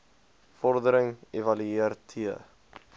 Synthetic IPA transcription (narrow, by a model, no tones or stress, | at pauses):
fɔrdəɾəŋevɐlyiərtʰiə̰